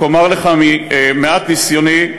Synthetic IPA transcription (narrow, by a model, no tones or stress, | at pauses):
omaʁleχamimeat̪nisjoni